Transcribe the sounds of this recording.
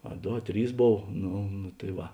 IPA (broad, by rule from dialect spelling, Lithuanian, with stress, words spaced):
ɐ ˈdoː ɐ ˈtʲrʲiːs ˈboːw ˈnʊ nʊ tɐɪ ˈʋɐ